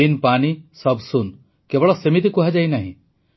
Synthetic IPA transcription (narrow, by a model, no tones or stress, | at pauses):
inpanisɔbsun | kebɔɭɔsemit̪̬ikuɦad͡ʒajnaɦḭ̃